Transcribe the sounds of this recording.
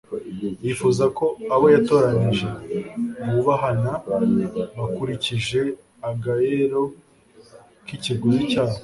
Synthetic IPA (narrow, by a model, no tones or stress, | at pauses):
jifuzako̞aβo̞jato̞ːɾaɲiʒe̞ | βuβaɦana | βakuɾiciʒe̞ | aɡajeɾo̞ | kiciɡuzicaːha